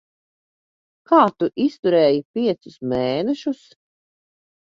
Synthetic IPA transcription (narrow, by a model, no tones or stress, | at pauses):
kaːt̪uʔist̪uɾɛːjipʲiɛt̪sʊsmeːnɛʃus